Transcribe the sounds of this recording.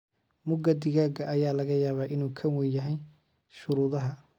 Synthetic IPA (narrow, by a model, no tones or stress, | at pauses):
mʊɡɐd̪ɪɣaːɡɐʔːjaːlɐɣɐjaːβaːʔɪnuːkʰɐwɛjɐɦɛj | ʃʊɾuːðɐɦɐ